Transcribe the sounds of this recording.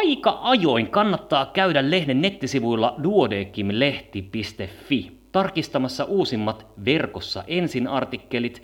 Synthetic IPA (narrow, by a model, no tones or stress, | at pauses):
ɑikɑʔɑjo̞iŋkɑnːɑt̪ːɑːkæydælle̞hnenːe̞t̪ːisiʋujlːɑduodeːkːimle̞ht̪ipist̪efːi | t̪ɑrkist̪ɑmɑsːɑʔuːsimːɑt̪ʋe̞rko̞sːɑ̰ʔe̞nsinɑrt̪ikːe̞lit̪